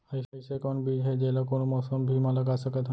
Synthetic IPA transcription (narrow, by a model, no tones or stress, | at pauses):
əjəjsekɔnbʱiːd͡ʒɦɛd͡ʒɛlakonmɔsəmbʱiməlaɡasəkət̪a